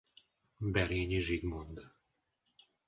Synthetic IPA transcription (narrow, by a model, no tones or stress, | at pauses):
bɛɾjeɲʲiʒiɡmond̪